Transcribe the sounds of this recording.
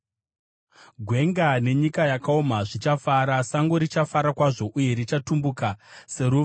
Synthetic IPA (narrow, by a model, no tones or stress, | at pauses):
ɡʱwe̞ŋɡane̞ɲikajakaomaʐit͡ʃafaɾasaŋɡo̞ɾit͡ʃafaɾakwaʐo̞ʔuje̞ɾit͡ʃatumbukase̞ɾuːʋ